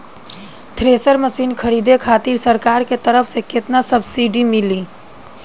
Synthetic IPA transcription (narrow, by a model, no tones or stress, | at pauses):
t̪ʰɾesəɾməsiːnkʰəɾid̪ekʰat̪iɾsəɾkaɾket̪əɾəpʰseket̪nasəbsiɖimili